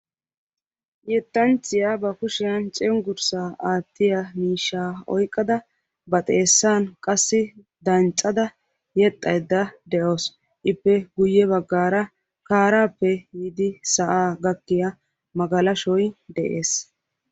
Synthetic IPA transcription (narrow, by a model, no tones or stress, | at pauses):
jɛt̪ːɐnt͡ʃːɪjabɐkʊʃɪjɐnt͡ʃʼɛŋɡʊɾsaːaːt̪ːɪjamiːʃːaːɔ̰jkʼːɐd̪ɐ | bɐt̪ʼeːsːaːnkʼɐsːɪ | d̪ɐnt͡ʃʼːɐd̪ɐ | jɛt̪ʼːɐjd̪ːɐd̪ɛʔoːs | ʔɪpːɛɡʊjːɛβɐɡːaːɾɐ | kaːɾaːpːɛjid̪ɪsɐʔaːɡɐkːɪjɐ | mɐɡɐlɐʃɔjd̪ɛʔeːs